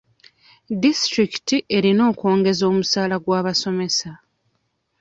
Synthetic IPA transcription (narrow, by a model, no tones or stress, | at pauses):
distɾiki̥tiʔe̞ɾino̞ːko̞ːŋɡe̞zo̞ːmusaːlaɡwaːβaso̞me̞sa